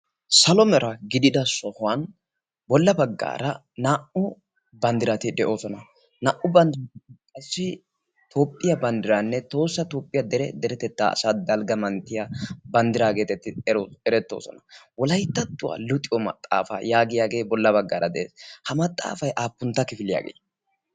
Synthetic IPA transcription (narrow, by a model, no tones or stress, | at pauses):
sɐlɔmɛɾɐɡɪd̪ɪd̪ɐsɔhʊwɐn | bɔlːɐbɐɡːa̰ːɾɐ | naːʔʊ | bɐnd̪ɪɾɐt̪ɪd̪ɛʔo̞ːsɔnɐ | naːʔʊbɐnd̪ɪɾɐɪkʼɐsːɪ | t̪ʰoːpʼːɪjɐbɐnd̪ɪɾanːɛt̪o̞ːsːɐt̪oːpʼːɪjad̪ɛɾɛd̪ɛɾɛt̪ɛt̪ːa̰sad̪ɐlɡɐmɐnt̪ːɪjabɐnd̪ɪɾaːɡe̞ːt̪ɛt̪ːɪɛɾoɛɾɛt̪ːo̰ːsɔ̰nɐwɔlɐjt̪ːɐt̪ːʊwa̰ːlʊt̪ʼɪwɔmɐ̰t̪ʼːa̰ːfa̰jaːɡɪjaːɡe̞ːbɔlːɐbɐɡːaːɾʔɐd̪ɛʔeːshɐmɐt̪ʼːa̰ːfɐjʔaːpːʊnt̪ːɐkɪfɪlɪja̰ːɡḛː